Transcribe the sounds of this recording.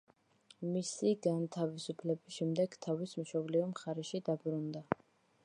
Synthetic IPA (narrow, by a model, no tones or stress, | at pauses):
misiɡant̪ʰavisupʰlɛbiʃɛmd̪ɛɡ̥t̪ʰavismʃɔbliɔmχaɾɛʃid̪abɾund̪a